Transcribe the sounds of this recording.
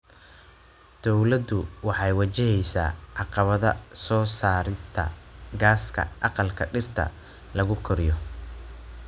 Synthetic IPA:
d̪̥ɔwlɐd̪ʊwɑħɑjwɑt͡ʃɪɦɛjsa̰ːʕɑqɑβɐðɐ̰sɔːsaːɾɪst̪ʰɐ̰ɡaːskʰɐ̰ʔɑqɑlkʰɐɖɪrt̪ʰɐ̰ | lɐɣʊkʰɔɾɪjɔ

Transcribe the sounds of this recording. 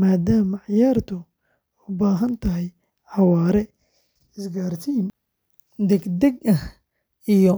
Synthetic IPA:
maːd̪aːmɐʕɪjaːrt̪ʰʊ | ʊbaːɦɐnt̪ʰɐɦɛj | ħɑwaːɾɛ | ɪsɡaːrt̪ʰiːm | d̪ɛɡd̪ɛɡʔɐh | ijɔ

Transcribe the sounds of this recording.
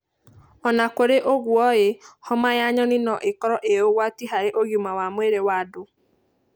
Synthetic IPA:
ɔnakoɾeʔoɣwɔjehɔmajaɲɔnɪnɔʔekɔɾɔʔejoɣwatiɦaɾeʔoɣjumawamweɾewado

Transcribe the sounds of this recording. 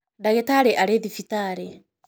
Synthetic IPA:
daɣetaɾeʔaɾeðifitaɾe

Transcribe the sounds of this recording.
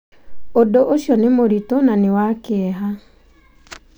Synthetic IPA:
odoʔoʃjɔnemoɾitonanewakeɛɦa

